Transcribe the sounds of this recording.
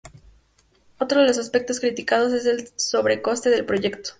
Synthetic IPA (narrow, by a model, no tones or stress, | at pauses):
o̞t̪ɾo̞ðelo̞saspe̞k̚t̪o̞skɾit̪ikað̞o̞s̬e̞s̬e̞lso̞βɾe̞ko̞st̪e̞ðe̞lpɾo̞ʝe̞kt̪o̥